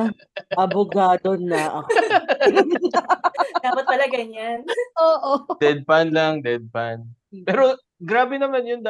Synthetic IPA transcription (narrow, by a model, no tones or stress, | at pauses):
ʔɐboɡaːd̪onɐʔɐk | d̪aːpɐt̪̚kɐlɐɡɐɲanʔoːʔod̪ɛd̪̚panlaŋd̪ɛd̪̚panpɛːɾo | ɡɾaːbɛnɐmanjʊnd̪ɐ